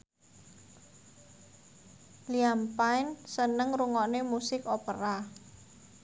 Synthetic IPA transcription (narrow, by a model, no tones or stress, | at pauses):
liampaɪnsənəŋruŋɔnemusɪkopə̰ɾa